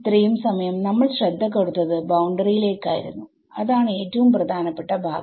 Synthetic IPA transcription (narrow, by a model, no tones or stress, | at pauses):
t̪rɐjumsɐmɐjɐmnɐmːɐɭɕrɐd̪ʱːɐk̬ːoɽut̪ːɐðɨbɐwɳɖɐrijile̞ːkːa̰ːjḭɾṵnːu | ɐðaːɳe̞ːtːɐʋumprɐd̪ʱaːnɐpːeʈːɐbʱa̰ːɡ